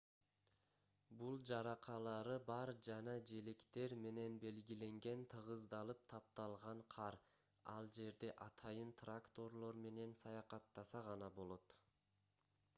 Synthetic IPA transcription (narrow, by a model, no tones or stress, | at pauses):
bulˠd͡ʒɑɾɑqʰɑlˠɑɾɯbɑɾd͡ʒɑnɑd͡ʒe̞lekt̪e̞ɾme̞ne̞nbe̞lɡile̞ŋɡe̞nt̪ʰɯʁɯzd̪ɑlˠɯp̚t̪ʰɑp̚t̪ɑlˠʁɑɴqʰɑɾ | ɑ̰lˠd͡ʒe̞ɾd̪e̞ʔɑt̪ʰɑjɯnt̪rakt̪o̞rlˠo̞ɾme̞ne̞nsɑjɑqɑt̪ːɑsɑʁɑnɑbo̞lˠo̞t̪